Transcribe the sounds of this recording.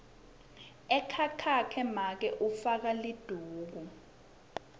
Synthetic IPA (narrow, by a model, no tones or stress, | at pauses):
ɛkʰakʰakʰɛmak̬ɛʔufak̬alid̥ʱuːk̬u